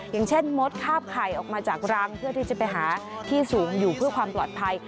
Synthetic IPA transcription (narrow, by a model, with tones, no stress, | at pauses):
jaː˨˩ŋt͡ɕʰe˥˩nmo˦˥t̪̚kʰaː˥˩p̚kʰaː˨˩jʔɔː˨˩k̚maː˧t͡ɕaː˨˩k̚ɾa˦˥ŋpʰɯ˥˩ət̪ʰiː˥˩t͡ɕa˨˩pa˧jɦaː˩˦t̪ʰiː˥˩suː˩˦ŋjuː˨˩pʰɯ˥˩ɐkwaː˧mplɔː˨˩t̪̚pʰa˧j